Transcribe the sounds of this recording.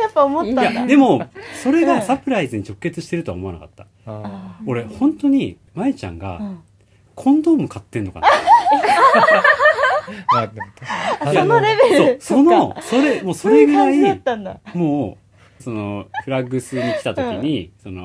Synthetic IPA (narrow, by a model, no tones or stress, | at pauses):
japːaomoːajad̪e̞mo̞so̞ɾe̞ɡasapɯ̟ɾaizɨɲ̟it͡ɕo̞kːɯːe̞t͡sɨɕi̥t̪e̞ɾɯ̟t̪oa̰mo̞anakat̪ːḁ | o̞ɾe̞hõ̞nt̪o̞ɲ̟i | maet͡ɕã̰ŋɡa̰ | kʰõ̞nd̪o̞ːmɯ̟kat̪ːẽ̞nːo̞ka̰n | janɾebeɾsoso̞noso̞ɾe̞mo̞ːso̞ɾe̞ɡɯ̟ɾait̪ːãnd̪amo̞ː | so̞no̞ɸɯ̟ɾaɡɯ̟sɨɲ̟iki̥t̪at̪o̞kʲiɲ̟iso̞no̰